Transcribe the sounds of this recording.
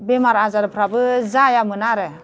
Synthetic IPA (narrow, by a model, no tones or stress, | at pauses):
bemaɾazaɾɯpʰɾabɯzajamɯnaɾɯ